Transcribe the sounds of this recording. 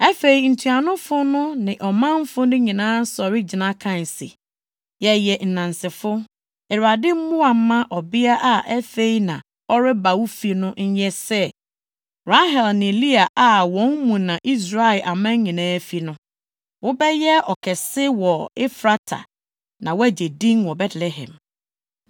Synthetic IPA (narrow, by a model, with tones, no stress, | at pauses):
ɛ˦fe˨i˨n̩˨tʰu˨a˨nʊ̃˦fʊ˦nʊ̃˦nɪ̃˨ʔɔ˨mã˦m˦fʊ˦nɪ̃˦ɲĩ˨nãː˦n̩˦sɔ˨ɾɪ˦d͡ʑɪ˨nã˦kʰã˦n˨sḛ˨ | jɛ˨jɛ˨n̩˨nã˨n˨sɪ˨fʊ˦ | ɛ˨ɾa˨dɪ˦m̩˦mʊ̃˦a˨˦mã˦ʔɔ˨bi˦a˦ʔa˨ʔɛ˦fe˦i˦nã˨ | ɔ˦ɾɪ˦ba˨wu˦fi˦nʊ̃˦ɲ̩˦jɛ˦sɛ˦ | ɾa˦ɦɛ˨lnɪ̃˨li˦a˨ʔa˨wɔ̃˨˦nmũ˨nã˨ʔi˦s̬ɾa˦˨ɪ˨lʔa˨mã˦ɲĩ˨nãː˦fi˦nʊ̃˦ | wʊ˦bɛ˦jɛ˦ɔ˨kʰɛ˨sɪ˦wɔ˨ɪ˦fɾa˦tʰa̰˨ | nã˨wæ˦˨d͡ʑe˨dĩ˦nwɔ˨bɛ˦tʰlɛ˨ɦɛ̰̃˨m